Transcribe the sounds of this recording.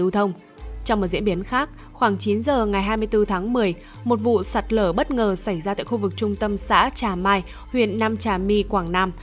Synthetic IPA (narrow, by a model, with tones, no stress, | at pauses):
ɨ˨˧˦t̪ʰə˧wŋ͡m | t͡ɕɔ˧wŋ͡mm˨˩t̚zḭ˧˥ənɓi˨˦ənxaː˦˥k̚ | xwaː˧˩ŋt͡ɕi˨˦nzəː˨˩ŋa˨˩jɦaː˧jmɨ˧əjt̪ɨ˧t̪ʰaː˨˦ŋmɨ˨˩əj | mo˨˩t̚vṵ˧˨sa˨˩t̚ləː˧˩ɓə˦˥t̚ŋəː˨˩sa˧˩jzaː˧t̪a̰ː˧˨jxu˧vɨ˨˩k̚t͡ɕʊ˧ŋ͡mt̪ə˧msa̰ː˧˥t͡ɕaː˨˩maː˧j | hwḭ˧˨ənːaː˧mt͡ɕaː˨˩mi˧kwaː˧˩ŋnaː˧m